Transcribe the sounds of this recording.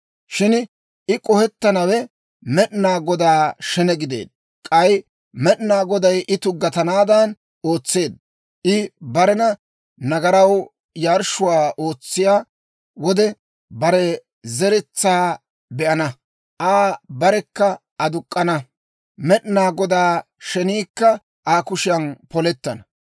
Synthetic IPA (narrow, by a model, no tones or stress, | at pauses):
ʃɪn | ʔɪkʼɔhɛt̪ːɐnɐwɛ | mɛɗnaːɡɔd̪aːʃɛnɛɡɪd̪ḛːd̪̥̚ | kʼɐj | mɛɗnaːɡɔd̪ɐjʔɪt̪ʊɡːɐt̪ɐnaːd̪ɐn | o̞ːt͡sːe̞ːd̪̚ | ʔɪbɐɾɛnɐ | nɐɡɐɾɐw | jaːɾʃʊwaːʔo̞ːt͡sːɪjaː | wɔd̪ɛ | bɐɾɛ | zɛɾɛt͡sːaː | bɛʔɐnɐ | ʔaːbɐɾɛkːɐ | ɐd̪ʊkʼːɐnɐ | mɛɗnaːɡɔd̪aː | ʃɛniːkːɐ | ʔaːkʊʃɪjɐnpɔlɛt̪ːɐnɐ